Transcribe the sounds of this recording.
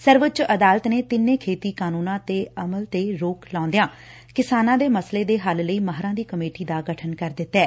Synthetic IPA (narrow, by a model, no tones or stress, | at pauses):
səɾʋət͡ʃəd̪aːlət̪neːt̪ɪnːẽːkʰeːt̪iːkaːnuːnãːt̪eːəməlt̪eːɾoːklãːnd̪ejãː | kɪsaːnãːd̪eːməsleːd̪eːɦəlləiːməɦɾãːd̪iːkəmeːʈiːd̪aːɡəʈʰənkəɾd̪ɪt̪ːɛː